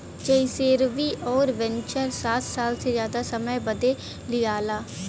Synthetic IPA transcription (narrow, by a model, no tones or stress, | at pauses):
t͡ʃəiseːɾʋiːʔɔːɾʋɛ̃nt͡ʃəɾsaːt̪ʰsaːlsezjaːd̪asəməjbəd̪e | lɪjaːlaː